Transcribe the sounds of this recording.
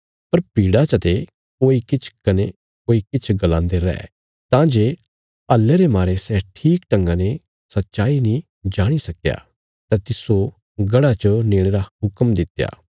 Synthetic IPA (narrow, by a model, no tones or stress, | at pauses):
pɐɾpiːɽat͡ʃɐt̪e | koːikɪt͡ʃʰkɐne | oːikɪt͡ʃʰɡɐlãːnd̪eɾɛ̰ː | t̪ãːd͡ʒeː | ɐlːeɾemaːɾesɛːʈʰiːkʈɐ̃ŋɡãne | sɐtːʃaːinĩ | d͡ʒaːɽ̃isɐkja̰ | t̪ɛt̪ɪso | ɡɐɽat͡ʃənẽːeɾaɦʊkmd̪ɪt̪ja̰ː